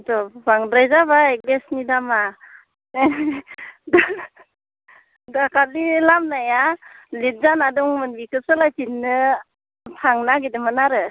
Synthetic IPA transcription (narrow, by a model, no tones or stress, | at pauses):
dɔbaŋdɾajzaβaɡesnidama | d | dakʰalilamnajalit̚zanadɔŋmɯnbikʰɯsɯlajtinːɯ | pʰaŋnaɡidɯmɯnaɾɯ